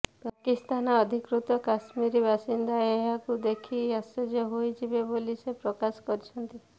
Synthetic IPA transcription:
pakist̪anɔɔd̪ʱikɾut̪ɔkasmiɾibʱasind̪aeɦakud̪ekʰiased͡ʒeɦojd͡ʒʰibebolisepɾɔkasɔ̥kɔɾt͡ʃʰɔnt̪i

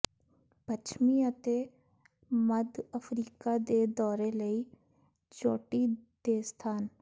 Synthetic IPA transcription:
pət͡ʃʰmiət̪e | məd̪əfɾiːkad̪ed̪ɔːɾeləi | d͡ʒoːʈid̪̥eːst̪ʰaːn

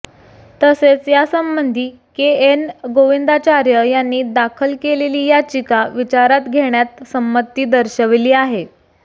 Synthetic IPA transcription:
t̪əset͡sjasəmbənd̪ʱiː | keenɡoʋind̪at͡ɕaɾjəjanːiːd̪akʰəlkeleliːjat͡ɕikaʋit͡ɕaɾat̪ɡʱeɽ̃jat̪səmːət̪ːiːd̪əɾɕəʋliːaɦe

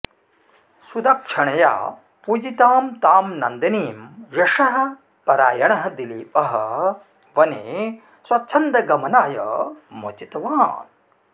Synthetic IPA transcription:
sud̪ɐk̚ʂɐɳɐja̰ː | pud͡ʒit̪aːmt̪aːmnɐnd̪ɐniːmjɐʂɐɦɐ̆ | pɐɾaːjɐɳɐɦɐ̆d̪iliːpɐɦɐ | ʋɐnḛː | swɐtːt͡ʃʰɐnd̪ɐɡɐmɐnaːjɐ̰mo̰t͡ʃit̪ɐʋaːn

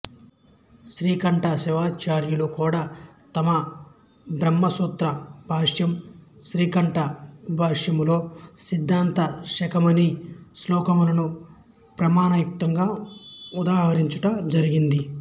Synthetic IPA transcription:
ʃɾiːkɐɳʈɐʃɛʋaːt͡ʃaːɾjulukuːɽaːt̪ɐmɐ | bɾɐmːɐsuːt̪ɾɐbʱaːʂjɐmʃɾiːkɐɳʈɐbʱaːʂjɐmlo̞ːsid̪ʱːaːnt̪ɐʃɐkɐmɐnislɔːkɐmulɐnu | pɾɐmaːnɐjuk̚t̪ɐŋɡaːud̪aːɦɐɾiɲt͡ʃuʈɐd͡ʒɐɾiɡind̪i

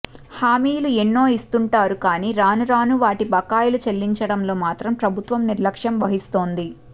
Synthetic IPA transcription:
haːmiːjluenːo̞ːist̪uɳʈaːɾukaːniːɾaːnuɾaːnuʋaːʈibɐkaːjulut͡ʃelːiɲt͡ʃɐɽɐmlo̞ːmaːt̪ɾɐmpɾɐbʱut̪ʋɐmniɾlɐkʂɐmʋɐɦist̪o̞ːnd̪i

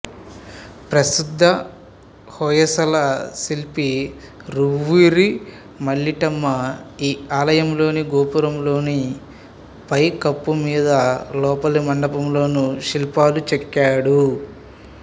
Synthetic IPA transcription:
pɾɐsid̪ʱːɐ | hɔːjɐsɐlɐsilpi | ɾuʋiɾi | mɐɭːiʈɐmːɐiːaːlɐjɐmlo̞ːniɡoːpuɾɐmlo̞ːni | pɐjkɐpːumiːd̪ɐlɔːpɐlumɐɳɖɐpɐmlo̞ːnuʃilpaːlut͡ʃɛkːaːɽu

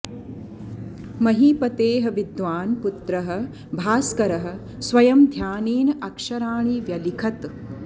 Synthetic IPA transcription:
mɐɦiːpɐt̪eːɦɐ̆ʋid̪ʋaːnput̪ɾɐɦɐ̆ | bʱaːskɐɾɐɦɐ̆ | sʋɐjɐmd̪ʱjaːniːnɐkʂɐɾaːɳiʋjɐlikʰɐt̪

